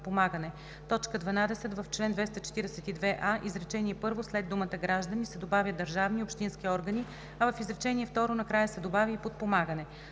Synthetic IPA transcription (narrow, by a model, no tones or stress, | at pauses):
pomaɡənɛ | t̪ɔt͡ʃkəd̪vɐnad̪ɛsɛt̪vəft͡ʃlɛnd̪vɛst̪ət͡ʃɛ̥t̪iɾɛsɛt̪id̪vɛʔaʔizɾɛt͡ʃɛniɛpɤɾvoslɛd̪umət̪əɡɾaʒd̪ənisɛd̪obavʲjəd̪əɾʒavniopʃt̪inskʲiɔɾɡəni | ɐvɐfizɾɛt͡ʃɛniɛft̪ɔɾonɐkɾajəsɛd̪obavʲiipot̪̚pomaɡənɛ